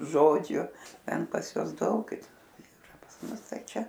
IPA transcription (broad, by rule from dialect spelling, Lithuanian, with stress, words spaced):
ˈʒoːd͡ʒʲʊ ˈtʲɛn pɐs ˈjuɔs ˈdɐʊk iːˈrɐ pɐs ˈmʊs ˈtɐɪ ˈt͡ʃʲɛ